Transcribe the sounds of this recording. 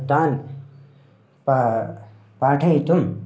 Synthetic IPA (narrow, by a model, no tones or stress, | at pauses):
t̪aːn | p | paːʈʰɐit̪um